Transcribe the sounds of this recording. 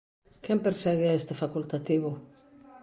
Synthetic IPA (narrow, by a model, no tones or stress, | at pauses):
kɛmpeɾsɛɣeest̪efakult̪at̪iβʊ